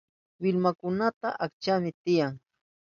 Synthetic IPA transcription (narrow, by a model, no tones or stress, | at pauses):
wɪlmakʊnat̪aʔakt͡ʃamɪt̪ɪjaŋ